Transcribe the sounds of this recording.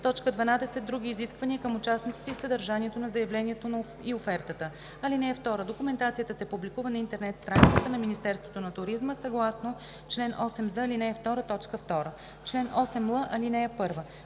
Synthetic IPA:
t̪ɔt͡ʃkəd̪vɐnad̪ɛsɛd̪ːɾuɡ̟iːziskvɐniəkəmʊt͡ʃasnit̪si̥t̪ɛisəd̪ɐɾʒaniɛt̪onɐzɐjɐvlɛniɛt̪on | iofɛɾt̪ət̪ə | ɐlinɛɛft̪ɔɾəd̪okʊmɛnt̪at̪sijət̪əsɛpublikuvənɐint̪ɛɾnɛt̪st̪ɾanit̪sət̪ənɐminist̪ɛɾst̪vot̪onɐt̪ʊɾizməsɐɡlˠasno | t͡ʃlɛnʔɔsɛmzəlinɛːft̪ɔɾət̪ɔt͡ʃkəft̪ɔɾə | t͡ʃlɛnʔɔsɛmlˠəʔɐlinɛɛpɤɾvə

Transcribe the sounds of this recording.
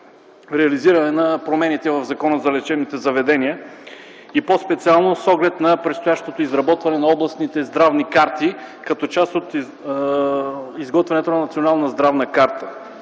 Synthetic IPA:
ɾɛɐliziɾɐnɛnɐpɾomɛnit̪ɛvɐvzɐkɔnəzɐlɛt͡ʃɛnit̪ɛzɐvɛd̪ɛniə | ipospɛt̪sialˠnosɔɡlɛt̪nɐpɾɛt̪st̪ojaʃt̪ot̪oizɾɐbɔt̪vɐnɛnɐɔblˠɐsnit̪ɛzd̪ɾavnikaɾt̪ikɐt̪ɔt͡ʃast̪ot̪ | izɡɔt̪vɛnɛt̪onɐnɐt̪sionalˠnəzd̪ɾavnəkaɾt̪ə̥

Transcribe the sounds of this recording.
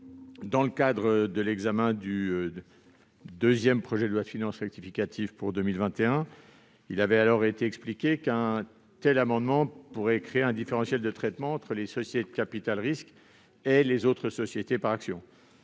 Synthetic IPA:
d̪ɑ̃ləkad̪ʁəd̪əlɛɡzamɛ̃d̪yø | d̪øzjɛmpχɔʒɛd̪əlwat̪finɑ̃sʁɛk̚t̪ifikʲat̪ʰivpuʁd̪ømilvɛ̃t̪eɛ̃ | ilavɛalɔʁet̪eɛksplikʲekɛ̃ | t̪ɛlamɑ̃d̪mɑ̃puʁɛkχeeɛ̃d̪ifeʁɑ̃sjɛld̪ət̪χɛt̪mɑ̃ːt̪χəlesɔsjet̪ed̪əkapit̪alʁisk | elezot̪χəsɔsjet̪epaʁaksjɔ̰̃

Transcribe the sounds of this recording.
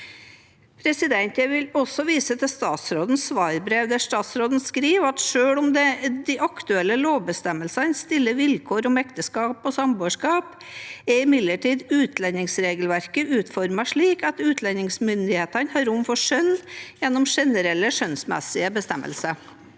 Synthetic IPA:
pʰɾɛsɪd̪ɛnt̪jɛʋɪlɔsɔʋiːsət̪ʰɪst̪ɑːt̪sɾoːd̪n̩sʋɑːɾbɾeːʋd̪ɛʂt̪ɑːt̪sɾoːd̪n̩skɾiːʋɑt̪ʂøːɭɔmd̪ɛd̪ɪʔɑkt̪ʉɛlːəloːʋbəst̪ɛmːəlsɑnst̪ɪlːəʋɪlkʰoːɾɔmɛkt̪əskɑːpɔsɑmboːʂkɑːp | ɛɪmɪd̪ləʈʰiːd̪ʉːt̪ʰlɛnɪŋsɾeːɡəlʋæɾkəʔʉːt̪fɔɾmɑʂɭiːkɑt̪ʉːt̪ʰlɛnɪŋsmʏnd̪ɪheːt̪ɑnhɑɾʊmfɔʂœnːjɛnːɔmʂɛnəɾɛlːəʂœnsmɛ̰sɪəbəst̪ɛmʔə̰lsə

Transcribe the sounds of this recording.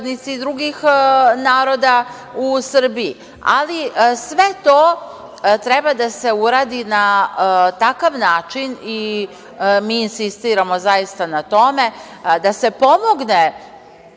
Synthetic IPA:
d̪nit̪sid̪ɾuɡixnaːɾo̞d̪a | usr̩bii | a̰lisʋe̞t̪oː | t̪ɾɛbad̪ase̞uɾaːd̪inat̪akaʋnaːt͡ʃini | miːnsist̪iːɾamo̞zajist̪anat̪o̞me̞d̪ase̞po̞mo̞ɡne

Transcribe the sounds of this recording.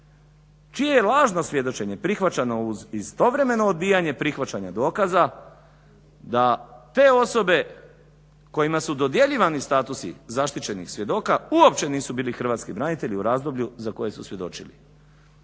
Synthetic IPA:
t͡ʃije̞je̞lˠaːʒno̞sʋje̞d̪o̞t͡ʃe̞ɲe̞pɾixʋat͡ɕano̞uzist̪o̞ʋɾe̞me̞no̞ːd̪̚biːjaɲe̞pɾixʋat͡ɕaɲad̪o̞ːkaza | d̪at̪e̞ːo̞so̞be̞ | ko̞jimasud̪od̪je̞ʎiːʋanist̪aːt̪usḭzaʃt̪it͡ɕe̞nḭxsʋje̞d̪o̞ːkauo̞pt͡ɕe̞niːsubiːlixr̩ʋat̪skibɾanit̪e̞ʎiuɾaːzd̪o̞bʎuzako̞je̞susʋje̞d̪o̞̰t͡ʃḭlḭ

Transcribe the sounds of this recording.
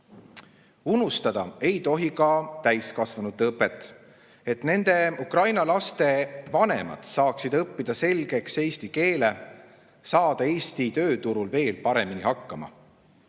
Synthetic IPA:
unust̪ɑd̪̥ɑ̰e̞jt̪o̞ɦikɑt̪æjskɑsvɑnut̪ːeɤpːˑet̪ːˑ | e̞t̪ne̞nd̪̥e̞ukrɑjnɑlɑst̪e̞vɑne̞̰mɑ̰d̪̥sɑːksid̪ɤpːid̪̥ɑse̞lɡ̥e̞kse̞jst̪ike̞ːle̞ | sɑːd̪̥ɑe̞ːst̪it̪ø̞ːt̪uɾulve̞ːlpɑɾe̞minihɑkːɑmɑ̰

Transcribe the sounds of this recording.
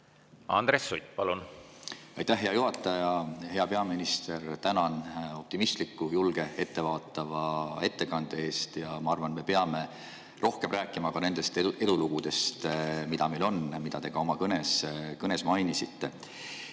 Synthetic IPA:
ɑ̰nd̪̥ɾesːujt̪̚ːpɑlun | ɑjt̪æhɦe̞ɑjuɦɑt̪ːˑɑjɑhe̞ɑpe̞ɑminist̪e̞rt̪ænɑno̞p̚t̪imist̪likːujulɡ̥e̞e̞t̪ːe̞vɑːt̪ːˑɑvɑe̞t̪ːe̞kɑnd̪̥ee̞ːst̪jɑmɑɑrvɑnme̞peɑme̞ | rʔo̞hkemræːkːˑimɑkɑne̞nd̪̥e̞st̪ee̞luluɡ̥ud̪̥e̞st̪mid̪̥ɑme̞lo̞nmid̪̥ɑt̪e̞ɡ̥ɑo̞mɑkɤne̞skɤne̞smɑjnisit̪ːe̞

